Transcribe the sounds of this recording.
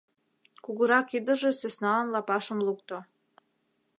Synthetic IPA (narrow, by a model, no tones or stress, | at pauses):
kuɣɤ̆ɾɑkid̪ə̆ʒĕsesnɑːnlɑpɑʃə̆mlukt̪o